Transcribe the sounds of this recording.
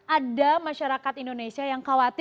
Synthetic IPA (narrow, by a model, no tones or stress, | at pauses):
adamaʃaɾakat̪indonesiajaŋkawat̪